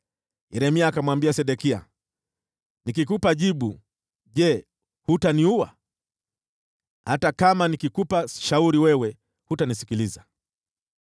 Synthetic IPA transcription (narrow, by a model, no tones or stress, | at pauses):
jɛɾɛmiaːkamwambiasɛɗɛkia̰ | nikik̬upaʄiɓu | ʄɛ | hutaniuwa̰ | hatakamanikikupaʃauɾiwɛwɛ | hutanisi̥kiliza